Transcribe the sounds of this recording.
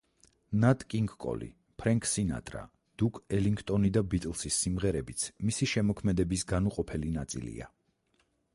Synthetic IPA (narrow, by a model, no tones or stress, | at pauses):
nat̪ʼkʼiŋɡkʼɔ̰lḭ | pʰɾɛŋkʼʰsina̰t̪ʼɾa̰ | d̪̥ukʼɛliŋɡʰt̪ʼɔnid̪abit̪ʼɛlˠsisːimʁɛɾɛbit̪sʰmisiʃɛmɔkʰmɛd̪ɛbisɡanuqʼɔpʰɛlinat̪sʼḭlḭa̰